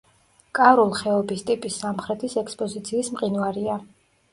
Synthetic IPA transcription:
kʼaɾulˠχɛɔbist̪ʼipʼisːamχɾɛt̪ʰisɛkspʼɔzit̪sʰiːsmqʼinwaɾia

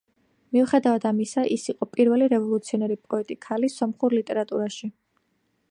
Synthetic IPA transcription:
miuχɛd̪avad̪amisaʔisiqʼɔpʼiɾvɛliɾɛvɔlˠut̪sʰiɔnɛɾipʼɔɛt̪ʼikʰalisɔmχuɾlit̪ʼɛɾat̪ʼuɾaʃi

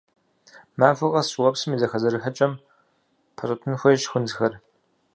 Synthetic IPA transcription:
maːvʷɨʁɐɕʼwɐpsɨmiːzɐxɐzɐɾɨħət͡ʃʼɐm | pʰɐɕʼɐtʰɨnxʷɐjʃxʷʊnzɨxɐr

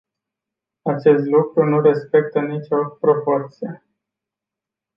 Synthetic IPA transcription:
at͡ʃe̞st̪lukɾunuɾe̞spe̞k̚t̪ənit͡ʃʲo̞pɾo̞po̞rt̪sije

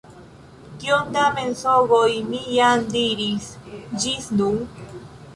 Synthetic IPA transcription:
kiond̪amensovojmijamdiɾisd͡ʒisnun

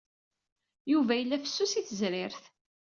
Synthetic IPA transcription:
juvæjəlːæfə̥sːusiθəzɾɪɾθ

